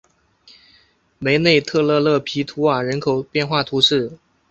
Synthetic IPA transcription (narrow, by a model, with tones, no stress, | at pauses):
me˧˥ɪne˥˧ɪt̪ʰɤ˥˧lɤ˥˧lɤ˥˩pʰi˧˥t̪ʰu˧˥a˨˩ɻə˧˥nkʰo˨˩ʊpjɛ˥˧nxwa˥˩t̪ʰu˧˥ʂɻ̩˥˩